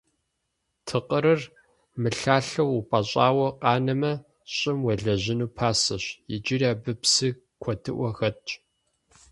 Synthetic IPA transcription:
tʰɨqʼəɾɐr | mɨɬaːɬɐwupʼɐɕʼaːwɐqɑːnɐmɐ | ɕʼɪmwɐɮɐʑɪnuːpʰaːsɐɕjɪ̰d͡ʒɪrjaːbɨpsɨ | kʷʰɔtʰɨʔʷɔxɐtʼ

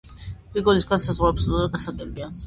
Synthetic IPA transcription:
ɾiɡɔliskʰasazʁwaɛpsɡasaɡɛbia

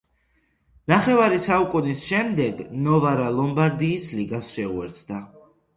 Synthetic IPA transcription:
naχɛvaɾisaukʼunisʃɛmd̪ɛɡnɔvaɾalˠɔmbaɾd̪iːsliɡasʃɛuɛɾt̪ʰd̪a

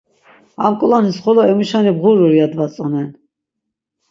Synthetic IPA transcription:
amkʼulanisχɔlɔɛmuʃanibʁuɾuɾiad̪vat͡sʼɔnɛn

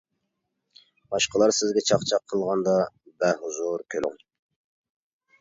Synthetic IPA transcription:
b̥ɑʃqəlˠɑɾsɪzɡʲɛt͡ʃʰɑχt͡ʃʰɑqʰːəlˠʁɑnd̪ɑbæɦuzuɾkʲʰøly̰ŋ

